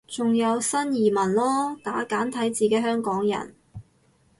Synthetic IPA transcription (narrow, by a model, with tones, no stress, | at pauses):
t͡sʊ˨ŋjɐ˨˧wsɐ˥njiː˨˩mɐ˨˩nlɔː˥t̪aː˨˥kaː˨˥nt̪ʰɐ˨˥jt͡siː˨˧ke˨˥ɦœː˥ŋkɔː˨˥ŋjɐ̰˨˩n